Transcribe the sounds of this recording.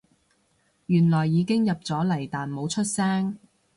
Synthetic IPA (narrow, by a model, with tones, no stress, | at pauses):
jyː˨˩nlɔː˨˩jːiː˨˧kɪ˥ŋjɐ˨p̚t͡sɔː˨˥lɐ˨˩jt̪aː˨nmo˨˧˥wt͡ʃʰɵ˥t̚sɛː˥ŋ